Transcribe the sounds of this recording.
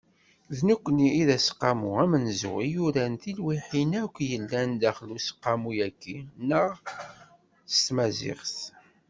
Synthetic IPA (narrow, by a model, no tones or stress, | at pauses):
ðnukʷːəniiðæsə̥qːɑmuæmənzʊ̰ʁijuɾænt̪ilwiħinækʷːjəlːænd̪æχlusə̥qːɑmujækːinəʁ | st̪mæzɪ̰ʁθ